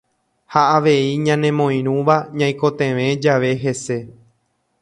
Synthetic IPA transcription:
haaʋe̞iɲãnẽ̞mõ̞j̃ɾ̃ũʋaɲãj̃ko̞t̪ẽ̞ʋẽ̞d͡ʒaʋe̞ɦe̞se̞

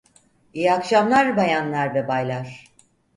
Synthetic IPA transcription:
ijakʃamlˠaɾbajanlˠaɾvɛbajlˠaɾ̥

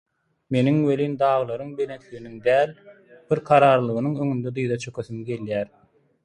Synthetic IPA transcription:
me̞niŋwelʲiːnd̪ɑːʁɯlˠɑɾɯŋbe̞let̪ʰliɣiniŋd̪æːl | b̥iɾqʰɑɾɑːɾlˠɯɣɯnɯŋø̞ŋynd̪ed̪ɯjðɑt͡ʃʰø̞kʰøθymɡe̞ljæːɾ

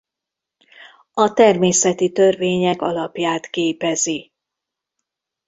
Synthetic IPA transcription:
ɒt̪ɛrmeːsɛt̪it̪ørveːɲɛkɒlɒpjaːt̪keːpɛzi

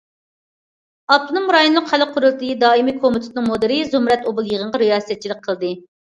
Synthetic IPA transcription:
ɑp̚t̪ʰɨnɨŋmɾɑjonlˠʊqhælːəqʰːʊɾɨlˠt̪ɨɨd̪ɑːimikʰomɪt̪ʰɪ̥t̪nɨŋmod̪ɨɾɨzumɾɛt̪obɨlˠjeʁəɴʁɑɾijɑːsɛt̪̚t͡ʃʰilˠɨk̚ʲqʰəlˠd̪ɨ

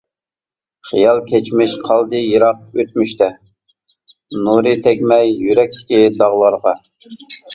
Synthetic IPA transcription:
χijɑlˠkʲʰɛt͡ʃmɪʃqʰɑlˠd̪ɨjəɾɑq̚øt̪̚myʃt̪ɛ | nuɾɨt̪ʰɛkʲmɛjjːyɾɛk̚ʲt̪ʰɪ̥kʲid̪ɑʁlˠɑɾʁɑ

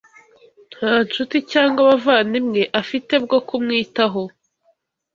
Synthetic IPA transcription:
n̥haːnt͡ʃuticaːŋɡaβavaːnimŋe̞ʔafite̞b̚ɡo̞kumŋiːtaɦo

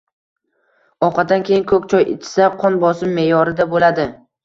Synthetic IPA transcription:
ɒqʰɑtd̪ankʲejɪnkʰɵkʲt͡ʃʰɒjḛt͡ʃʰɪ̥saqʰɒnbɒsɪmːe̞jɒɾɪd̪abolad̪ɪ

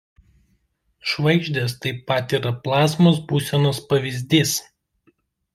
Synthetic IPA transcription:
ʃʋɐɪɡʒʲd̪ʲeːst̪ɐɪpɐt̪ʲiːɾɐplˠɑːsmoːs̬buːsʲɛnoːspɐʋʲɪzʲd̪ʲiːs

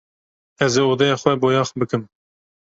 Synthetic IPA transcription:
ɛzeod̪ɛjɑːxʷɛboːjɑːxbɨkɨm

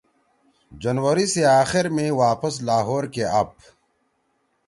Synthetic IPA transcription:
d͡ʑɐnwəɾiseaːxɪɾmẽwaːpəslaːɦoːɾkeɐp̚

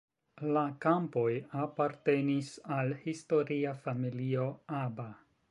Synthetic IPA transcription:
lakampo̞japaɾte̞nisalhisto̞ɾiafamilio̞aba

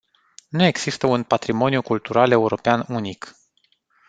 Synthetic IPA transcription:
nue̞ɡz̥ist̪əunpat̪ɾimo̞nijukult̪uɾʔale̞uɾo̞peanunik

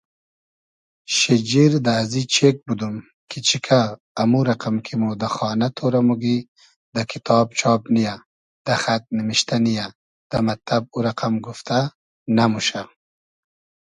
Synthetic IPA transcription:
ʃid͡ʒiɾd̪aːzit͡ʃʰek̚bud̪um | kʰit͡ʃʰikʰaː | muɾaqamkʰimod̪axɑːnat̪ʰoɾamuɡi | d̪akʰit̪ʰɑːb̚t͡ʃʰɑːbnija | d̪̥axat̪̚nimiʃt̪anija | d̪̥amat̪lab̚uɾaqamɡuft̪ʰa | namuʃa

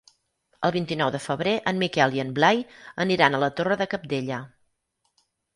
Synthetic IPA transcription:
ə̰lˠβint̪inɔwðəfəβɾeʔənmːikɛlˠiənblajəniɾanələt̪orəðəkəp̚d̪eʎə

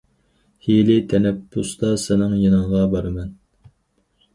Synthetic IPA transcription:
helɪt̪ʰɛnɛpːʊst̪ɑsɪnɪŋjinɨŋʁɑbɑɾɨmɛn

